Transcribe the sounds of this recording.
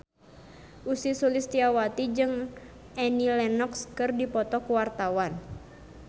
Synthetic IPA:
ʔusisulist̪iawat̪id͡ʒɨŋ | ʔɛnilɛnɔkskɨrdipɔt̪ɔkuwart̪awan

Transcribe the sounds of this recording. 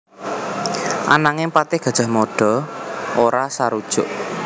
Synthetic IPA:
ʔa̰naŋɪpat̪ɪhɡ̥a̤d̥ʒ̥a̤hmoɖ̥ɔ̤ʔoɾasaɾud̥ʒ̥ʊʔ

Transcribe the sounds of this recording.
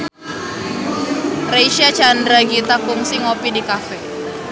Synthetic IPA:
rejʃiat͡ʃandɾaɡit̪akʊŋsɪŋopidikafɛ

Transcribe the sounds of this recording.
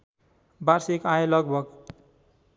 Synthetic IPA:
barsekajlʌɡ̚bʱʌɡ

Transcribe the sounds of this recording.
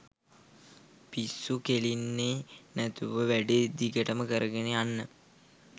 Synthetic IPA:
pisːukelinːenæt̪uʋəʋæɖed̪iɡəʈəməkəɾəɡeneanːə

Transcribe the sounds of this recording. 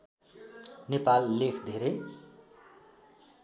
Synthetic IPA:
nepalːekʰd̪ʱeɾʌj

